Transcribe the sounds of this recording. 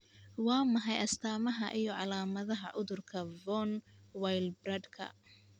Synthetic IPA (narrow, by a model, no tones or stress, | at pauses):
wɑːmɐɦɑjɐst̪ʰaːmɐɦɐʔijɞʕɑlaːmɐðɐɦɐʔʊðʊrkʰɐvɔnwajlbrɐd̪kʰɐ̰